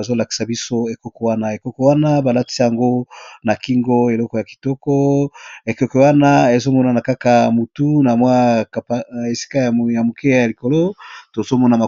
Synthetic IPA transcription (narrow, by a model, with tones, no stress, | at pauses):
a˨zo˦la˨ki̥˨sa˨bi˦so˦e˨kɔ˦kɔ˨wa˦na˦e˨kɔ˦kɔ˦wa˦na˦ba˨la˦ti̥˦sa˦ja˨ŋɡo˦na˨ki˦ŋɡo˦e˨lɔ˦kɔ˨ja˨ki̥˨tɔ˦kɔ˦e˨ko˦kɔ˨wa˦na˦e˨zo˦mɔ˦na˨na˨ka˦ka˨mu˨tu˦na˨mwa˦kpe˨si̥˦ka˦jja˨mo˨ke˦ja˨li˨ko˨lo˦to˨zo˦mɔ˦na˨ma˨